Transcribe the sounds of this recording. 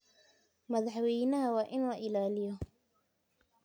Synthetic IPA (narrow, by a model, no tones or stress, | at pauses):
mɐðɑħwɛjnɐɦɐwɑːʔɪnlɐʔɪlaːlɪjɔ